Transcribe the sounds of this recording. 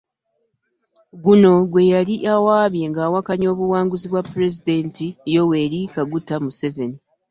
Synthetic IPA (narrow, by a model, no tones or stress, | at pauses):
ɡuno̞ɡwe̞jaliʔawaːβje̞ŋɡaːwakaɲo̞ːβuwaːŋɡuziβwapːuɾe̞zide̞ntijo̞we̞ːɾikaɡutːamuse̞ve̞ni